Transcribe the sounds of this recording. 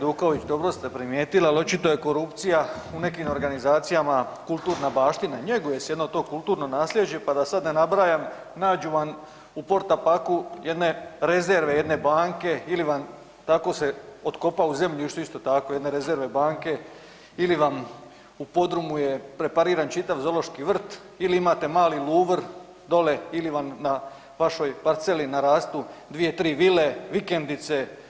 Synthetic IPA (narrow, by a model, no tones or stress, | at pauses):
d̪uːko̞ʋit͡ɕd̪o̞bɾo̞st̪apɾimje̞ːt̪ilalˠot͡ʃit̪o̞je̞ko̞ɾupt̪sijaune̞kimo̞ɾɡanizaːt̪sijamakulˠt̪uːɾnabaːʃt̪inaɲe̞ɡoje̞sje̞d̪no̞t̪o̞ːkulˠt̪uːɾno̞naːslʲjed͡ʑe̞pad̪asad̪ne̞nabɾaːjam | naːd͡ʒuʋan | upo̞ɾt̪apakuje̞d̪ne̞ɾe̞ze̞ɾʋe̞je̞d̪ne̞baːŋke̞iliʋan | t̪ako̞ːse̞o̞t̪ko̞pauze̞mʎuiʃt̪oist̪o̞t̪akojed̪ne̞ɾe̞zeɾʋe̞baːŋke̞ | iliʋam | upo̞d̪ɾumuje̞pɾe̞paɾiːɾant͡ʃit̪aʋzo̞lo̞ʃkiʋr̩t̪ | iliimaːt̪e̞maːliluːʋɾ | d̪o̞le̞iliʋamna | ʋaʃo̞jpaɾt̪se̞linaɾaːst̪ud̪ʋije̞t̪ɾiːʋile̞ʋike̞nd̪it̪se̞